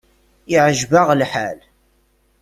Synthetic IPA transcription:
ɪʕəʒvaʁlħal

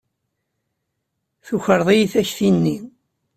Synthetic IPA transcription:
θuçəɾðˤijiθæçθinːi

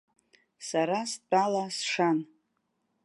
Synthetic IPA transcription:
saɾast͡pʼalasʂan

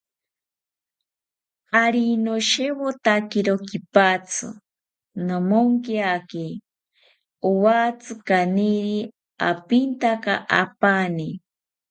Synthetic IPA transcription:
aɾinoʃewot̪akeɾokipat͡sʰɨ̰ | nomoŋkjake | owat͡sɨkaniɾi | a̰pint̪akaʔapani

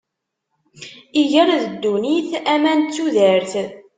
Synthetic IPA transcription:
iʝæɾaðəd̪ːuniθæmænt͡sːuðəɾθ

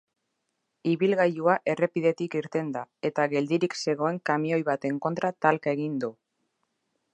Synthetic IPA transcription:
iβilɣajuaʔe̞re̞piðe̞t̪ikiɾt̪e̞nd̪ae̞t̪aɣe̞ld̪iɾikse̞ɣ̞o̞e̞ŋkamio̞jβat̪e̞ŋko̞nt̪ɾat̪alkae̞ɣ̞ind̪u

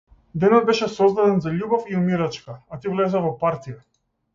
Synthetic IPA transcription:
d̪ɛnɔd̪̚bɛʃɛsɔzd̪ad̪ɛnzaʎubɔfiumiɾat͡ʃkaat̪ivlɛzɛvɔpaɾt̪ija

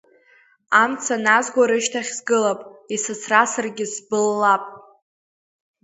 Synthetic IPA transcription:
amt͡sʰanazɡʷaɾɨʃtʰaχʲzɡɨlapʼisɨt͡sʰrasɨrɡʲɪsbɨlːapʼ

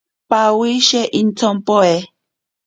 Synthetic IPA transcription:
pawiʃɛʔin̩t͡sʰɔmpɔɛ

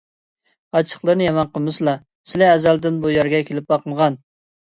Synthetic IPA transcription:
ɑt͡ʃʰə̥χlˠəɾnɨjɛmɑnqʰəmɨslˠɑ | sɪlɛːzæld̪ɪnbujæɾɡʲɛkʲʰelɪp̚bɑqʰəmʁɑn

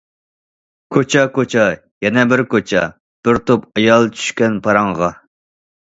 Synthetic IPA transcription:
kʰot͡ʃʰɛkot͡ʃʰɛ | jɛnɛbɪɾkot͡ʃʰɛ̰ | b̥ɪɾt̪opɑjɑlˠt͡ʃʰy̥ʃkʲɛnpʰɑɾɑŋʁɑ

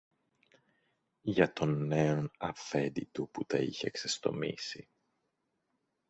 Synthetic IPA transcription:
ʝɐt̪o̞nːe̞onɐfe̞d̪it̪uput̪ɐiçeːksest̪o̞̰mḭsi

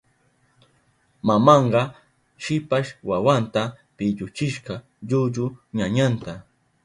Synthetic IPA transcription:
mamɑɴɢɑ | ʃɪpaʃwawant̪a | pɪʎʊt͡ʃɪʃɢɑ | ʎʊʎʊɲaɲant̪a

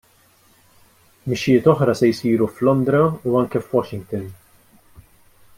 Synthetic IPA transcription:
mɪʃːɪjɪːt̪ɔħɾɐsɛjsiːɾuflɔnd̪ɾɐuɐŋkɛfwɔʃɪŋɡt̪ɔn

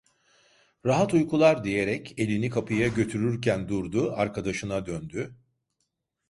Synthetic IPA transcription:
ɾaɦat̪ujkulˠaɾd̪ije̞ɾɛce̞lʲinikʰapʰɯjaɟø̞t̪ʰyɾyɾcʰænd̪uɾd̪ʊaɾkʰad̪aʃɯnad̪ønd̪y

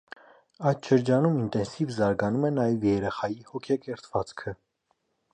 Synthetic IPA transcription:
ɑjt̪ʃəɾd͡ʒɑnumint̪ɛnsivzɑɾɡɑnumɛnɑjɛvjɛɾɛχɑjihɔkʰɛkɛɾt͡sʰv̥ɑt͡skʰə

